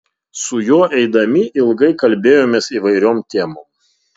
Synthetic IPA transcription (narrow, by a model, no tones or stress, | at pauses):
sʊjoːʔɛɪd̪ɐmʲɪʔɪlˠɡɐɪkɐlʲbʲeːjoːmʲeːsiːʋɐɪɾʲoːmt̪ʲeːmoːm